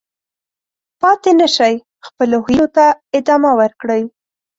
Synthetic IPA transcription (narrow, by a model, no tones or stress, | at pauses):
pɑt̪enəʃaj | xpəlohiot̪aɪd̪ɑmawəɾkɽəj